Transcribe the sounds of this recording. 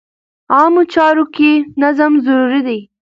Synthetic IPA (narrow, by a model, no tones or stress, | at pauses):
ɑːmot͡ʃɑɾokenazamzaɾuɾid̪aj